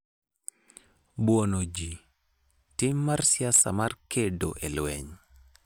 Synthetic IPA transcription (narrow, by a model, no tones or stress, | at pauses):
bwonod͡ʒi | tɪmːarsjasamarkedo̰ʔelwɛɲ